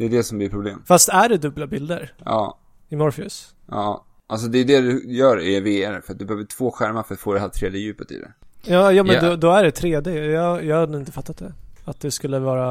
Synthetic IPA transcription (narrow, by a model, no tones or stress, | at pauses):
d̪ɛːd̪ɛsɔmblɪpʰɾʊblḛːmfast̪æɖɛd̪ɵbːlabɪld̪əɾjɑ̰ː | ɪmɔɾfɪʉ̰s | jɑː | ʔals̬ɔd̪ɛjʉd̪ɛd̪ʉjœːɾɛveɛɾfœɾat̪̚d̪ɵbɛhøːvəʈʰv̥oːɧæɾmafœ̥foːdɛhat̪ʰɾeːd̪ɪəjʉ̟ːpət̪ɪ̰d̪ɛ̰jɑːjɑːmɛnd̪ɔd̪ɔæɖɛt̪ʰɾeːd̪ɪjɑːjɑːɡhad̪ːɪnt̪əfat̪ːat̪̚d̪ɛat̪̚d̪ɛskɵlːəvɑːɾa